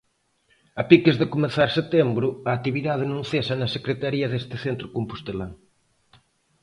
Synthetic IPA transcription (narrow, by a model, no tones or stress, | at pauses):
ɐpikezðɪkomẽθaɾset̪embɾʊɐːt̪iβiðað̞enõŋθesɐnɐsekɾet̪aɾiɐðest̪ɪθent̪ɾʊkompust̪elaŋ